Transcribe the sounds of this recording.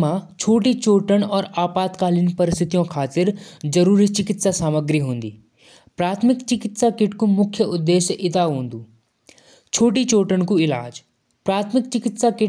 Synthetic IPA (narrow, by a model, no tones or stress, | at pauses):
mãt͡ʃʰoːʈit͡ʃoːʈəɽ̃ɔːɾaːpaːt̪kaːlɪnpɐɾɪst̪ʰɪt̪ijõkʰaːt̪ɪɾzɐɾuːɾit͡ʃɪkɪt̪sasaːməɡɾiɦõːn̆d̪iː | pɾaːt̪ʰmɪkt͡ʃɪkɪt̪sakɪʈkũmʊkʰjəʊd̪ːeːʃʔɪd̪aɦõːnd̪uː | t͡ʃʰoːʈit͡ʃoːʈəɽ̃kuɪlaːd͡ʒ | pɾaːt̪ʰmɪk̚t͡ʃɪkɪt̪sakɪ